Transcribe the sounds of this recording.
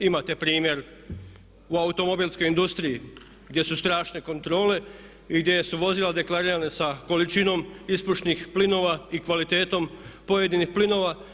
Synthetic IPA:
imat̪e̞pɾiːmje̞ɾ | uaut̪o̞mo̞biːlˠsko̞jind̪ust̪ɾii | ɡd̪ʲje̞sust̪ɾaːʃne̞ko̞nt̪ɾo̞ːle̞ | iɡd̪jesuʋo̞zilad̪e̞klaɾiːɾanesako̞lit͡ʃino̞mispuʃnixplino̞ːʋaikʋalit̪e̞ːt̪o̞mpo̞je̞d̪inixplino̞ːʋa

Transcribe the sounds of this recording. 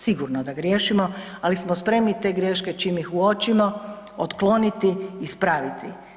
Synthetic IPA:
siɡuɾnod̪aɡɾje̞ːʃimo̞ | alismospɾe̞mnit̪e̞ːɡɾje̞ːʃke̞t͡ʃimixuo̞t͡ʃimo̞ | ot̪klˠo̞nit̪iːspɾaːʋit̪ʰi

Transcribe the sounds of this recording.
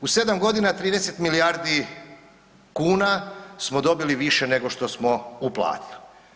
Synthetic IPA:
use̞d̪amɡo̞d̪inat̪ɾiːd̪eset̪milijaːɾd̪i | kuːnasmo̞d̪o̞biliʋiʃene̞ɡo̞ʃt̪osmo̞uplˠa̰ːt̪i̥li

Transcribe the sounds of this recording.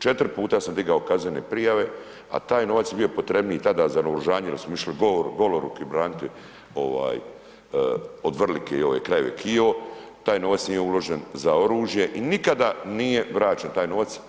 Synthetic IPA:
t͡ʃe̞t̪ɾpuːt̪asamd̪iɡaokaznenepɾijaʋe̞ | a̰t̪aːjno̞ʋat̪sjebijo̞pot̪ɾe̞bniit̪ad̪aːzanoɾoʒaːɲejelismoiʃliɡooɾɡo̞loɾukiibɾaːnit̪i | o̞ʋa̰ːj | od̪ʋr̩likejo̰ʋḛkɾaje̞ʋḛkʰiot̪aːjno̞ʋat̪snijeulo̞ʒenzao̞ɾuːʒje̞ʔinikad̪anijeʋɾaːt͡ʃent̪aːjno̞ʋat̪s

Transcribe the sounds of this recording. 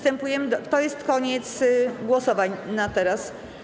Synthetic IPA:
st̪ɛmpujɛmɘd̪t̪ɔjɛst̪kɔɲɛt̪sɡwɔsɔvaɲnat̪ɛɾas

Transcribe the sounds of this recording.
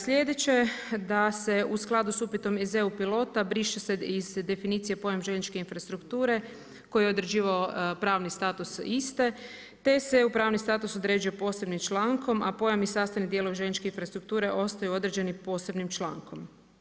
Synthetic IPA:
slʲje̞d̪et͡ɕe̞d̪ase̞usklˠad̪usupit̪o̞mezeupilo̞t̪abɾiʃeseizd̪e̞finiːt̪sije̞po̞jamʒe̞nt͡ʃke̞infɾast̪ɾukt̪uːɾe̞ | ko̞jeo̞d̪ɾed͡ʑiːʋaopɾaːʋnist̪aːt̪usist̪e | t̪e̞seupɾaːʋnist̪aːt̪uso̞d̪ɾe̞ːd͡ʒujepo̞ːse̞bnimt͡ʃlaːŋko̞mapo̞jamisaːst̪anid̪jeloʋeʒe̞nt͡ʃkeinfɾast̪ɾuk̚t̪uːɾe̞ʔo̞st̪ajuo̞d̪ɾed͡ʒe̞nipo̞se̞bnimt͡ʃla̰ːŋko̞m

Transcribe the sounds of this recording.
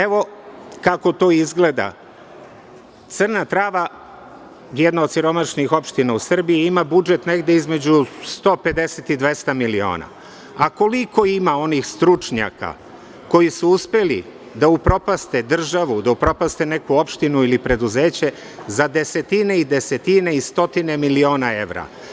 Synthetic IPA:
eʋo̞kako̞t̪o̞ːizɡle̞d̪a̰ | t̪sr̩nat̪ɾaːʋa | jed̪naod̪siɾo̞maʃnixo̞pʃt̪inausr̩biiimabud͡ʒe̞t̪ne̞ɡd̪e̞izme̞d͡ʑust̪o̞ːpe̞d̪e̞set̪id̪ʋe̞st̪amilio̰ːna̰ | ako̞liko̞imao̞nixst̪ɾut͡ʂɲa̰ka̰ | ko̞jisuuspelḭ | d̪aupɾo̞past̪e̞d̪r̩ʒaʋud̪aupɾo̞past̪e̞ne̞kuo̞pʃt̪inuilipɾe̞d̪uze̞ːt͡ɕe̞ | zad̪e̞se̞t̪ine̞id̪e̞se̞t̪ine̞ist̪o̞t̪ine̞milio̞ːnae̞̰ʋɾa̰

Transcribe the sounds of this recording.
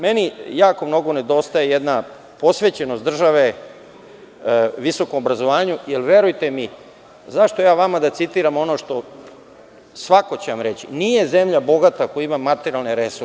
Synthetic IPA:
me̞nijaːkomno̞ɡo̞ne̞d̪o̞st̪ajejed̪na | po̞sʋe̞t͡ɕenosd̪r̩ʒaʋe̞ | ʋiso̞ko̞mobɾazoʋaːɲujelʋe̞ɾujt̪e̞mi | zaʃt̪o̞jaːʋamad̪at̪sit̪iːɾamo̞noːʃt̪o̞ | sʋako̞t͡ɕeʋamɾe̞t͡ɕinije̞ze̞mʎabo̞ɡat̪akojaimamːat̪eɾialneɾesu

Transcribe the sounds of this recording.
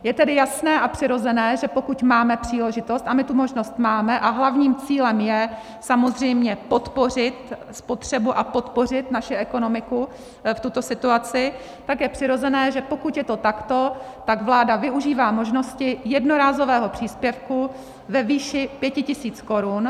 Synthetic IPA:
jɛt̪ɛdɪjasnɛːʔapr̥ɪɾo̞zɛnɛːʒɛpo̞kucmaːmɛpr̝̥iːlɛʒɪt̪o̞st̪amɪt̪umo̞ʒno̞st̪maːmɛʔaɦlavɲiːmt͡siːlɛmjɛ | samo̞zr̝ɛjmɲɛpo̞t̪po̞r̝ɪt̪ | spot̪r̝̥ɛbuʔapo̞t̪po̞r̝ɪt̪naʃɪʔɛko̞no̞mɪku | ft̪ut̪o̞sɪt̪uat͡sɪ | t̪akjɛpr̥ɪɾo̞zɛnɛːʒɛpo̞kut̪jɛt̪o̞t̪akt̪o̞t̪aɡvlaːdavɪuʒiːvaːmo̞ʒno̞scɪjɛdnoɾaːzo̞vɛːɦo̞pr̝̥iːspjɛfku | vɛviːʃɪpjɛcɪcɪsiːt͡sko̞ɾun

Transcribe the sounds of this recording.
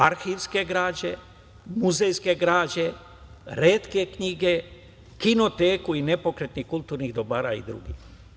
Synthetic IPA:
aɾxiʋske̞ɡɾaːd͡ʑe̞ | muzejskeɡɾaːd͡ʑe | ɾeːt̪ke̞kɲiɡe̞ | kino̞t̪eːkuine̞po̞kɾet̪nixkulˠt̪uːɾniɣd̪o̞baːɾaḭd̪ɾṵɡḭx

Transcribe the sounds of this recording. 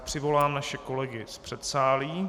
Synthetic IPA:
pr̝̥ɪvo̞laːmnaʃɛko̞lɛɡɪspr̥ɛt̪saːliː

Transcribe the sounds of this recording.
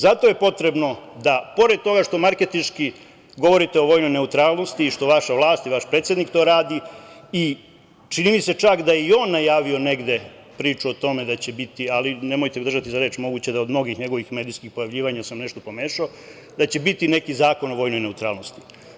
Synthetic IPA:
zat̪o̞jepo̞t̪ɾe̞bno̞d̪apo̞ɾed̪̚t̪o̞ɡaʃt̪o̞maɾke̞t̪inʃki | ɡo̞ʋo̞ɾit̪eo̞ʋo̞ːjno̞jne̞ut̪ɾaːlˠno̞st̪iːʃt̪o̞ʋaʃaʋlˠaːst̪iʋaʃpɾet̪sʲjed̪nikt̪o̞ːɾaːd̪ii | t͡ʃinimise̞t͡ʃakd̪ajeio̞ːnːajaːʋio̞ne̞ɡd̪e̞ | pɾiːt͡ʃuot̪o̞me̞d̪at͡ɕebit̪ialine̞mo̞jt̪ed̪r̩ʒat̪izaɾe̞ːt͡ʃmo̞ɡuːt͡ɕed̪aod̪mno̞ɡixɲe̞ɡo̞ʋixmeːd̪ijskixpo̞jaʋʎiːʋaɲasamneʃt̪o̞po̞me̞ːʃao | d̪at͡ɕe̞bit̪ine̞kizaːko̞no̞ʋo̞ːjno̞jne̞ut̪ɾa̰ːlˠno̞st̪i̥

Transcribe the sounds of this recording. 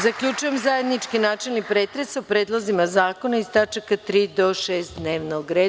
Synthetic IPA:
zakʎʲut͡ʃujemzaje̞d̪nit͡ʃkinaːt͡ʃelnipɾe̞ːt̪ɾesaupɾe̞ːd̪lˠozimazaːko̞naist̪at͡ʃakat̪ɾiːd̪o̞ʃe̞ːst̪d̪neːʋnoɡɾeː

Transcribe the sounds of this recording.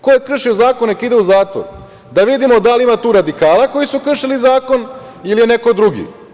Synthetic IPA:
kojekr̩ʃiozaːkonekid̪euzaːt̪o̰ɾ | d̪aʋid̪imod̪aliimat̪uːɾad̪ikaːlˠako̞jisukr̩ʃilizaːko̞n | ilije̞ne̞ko̞d̪ɾuɡḭ

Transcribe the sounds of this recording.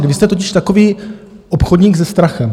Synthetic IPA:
ɡvɪst̪ɛt̪o̞c̬ɪʃt̪ako̞viː | ʔopxodɲiːɡzɛst̪ɾaxɛm

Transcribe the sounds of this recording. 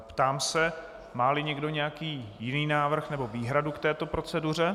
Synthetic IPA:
pt̪aːmsɛ | maːlɪɲɛɡdo̞ɲɛjakiːjɪniːnaːvr̩xnɛbo̞viːɦɾadukt̪ɛːt̪o̞pɾo̞t͡sɛdur̝ɛ

